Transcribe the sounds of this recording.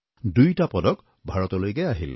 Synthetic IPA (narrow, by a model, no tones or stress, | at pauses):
dujtapɔdɔk | bʱaɹɔtɔlojkɛaɦḭl